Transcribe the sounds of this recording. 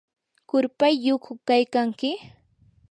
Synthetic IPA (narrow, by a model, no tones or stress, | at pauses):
kʊɾpajːʊkʰʊkajkaŋkɪ